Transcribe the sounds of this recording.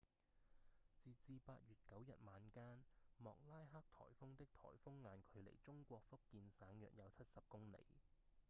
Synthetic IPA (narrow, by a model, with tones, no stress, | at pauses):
t͡siː˧t͡siː˧paː˧t̚ɥyː˨˩t̚kɐ˨˥wjɐ˨t̚maː˨˧nkaː˥nmɔː˨k̚laː˥jɦaː˥k̚t̪ʰɔ̰ː˨˩jfʊ˥ŋt̪ɪ˥k̚t̪ʰɔ̰ː˨˩jfʊ˥ŋːaː˨˧nkʰɵ˨˧ɥlḛ˨˩jt͡sʊ˥ŋkʷɔː˧k̚fʊ˥k̚kːiː˧nsaː˨˥ŋjœ̰ː˨˩k̚jɐ˨˧wt͡sʰɐ˥t̚sɐ˨p̚kʊ˥ŋnḛ˨˩j